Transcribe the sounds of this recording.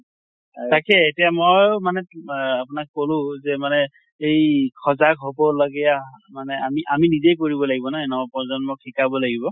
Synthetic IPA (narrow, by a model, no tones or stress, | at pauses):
takɛetijamojmanɛapʊnakkolʊ̃zɛmanɛ | ejkʰɔzakɦobɔlɔɡɛjamanɛamiʔaminizejk̬oɹibɔlaɡibɔnaɛnɔapɔzɔnmɔk̚ʰikabɔlaɡibɔ